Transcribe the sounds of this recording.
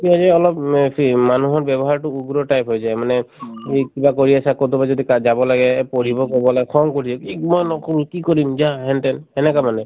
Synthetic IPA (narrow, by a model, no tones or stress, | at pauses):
kiɦɔd͡ʒɛɔlɔppʰimanuɦɔɾbɛbɔɦaɾʈuuɡɾɔʈajpɦojd͡ʒajmanɛikibakɔɾiasʰakot̪ubad͡ʒɔd̪ikad͡ʒabɔlaɡɛpɔɾibɔkɔbɔlaɡɛkʰɔŋkɔɾʰiɔkikmɔjnɔkɔɾukikɔɾimd͡ʒaɦɛnʈɛnhɛnɛkamanɛ